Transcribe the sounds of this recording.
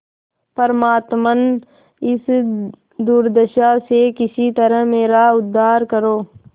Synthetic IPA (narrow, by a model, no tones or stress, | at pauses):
pəɾmaːt̪mən | ɪs | d̪uːɾd̪əʃasekɪsit̪əɾəɦmeːɾaʊd̪ʱːaːɾkəɾoː